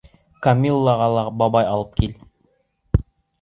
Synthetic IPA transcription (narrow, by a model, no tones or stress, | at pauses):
kɐmʲilˠːɑʁɑlˠɑbɑbɑjɑlˠɤp̚kil